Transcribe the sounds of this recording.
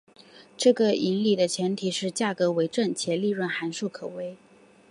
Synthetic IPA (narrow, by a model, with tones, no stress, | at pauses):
ʈ͡ʂɤ˥˩ɡə˩i˧˥nli˨˩d̪ə˦t͡ɕʰjɛ˧˥nt̪ʰi˨˩ʂɻ̩˥˧t͡ɕja˥˩kɤ˧˥we˧˥ɪʈ͡ʂə˥˩nt͡ɕʰjɛ˧˥li˥˧ɻwə˥˩nxa˧˥nʂu˥˩kʰɤ˨˩we˧˥ɪ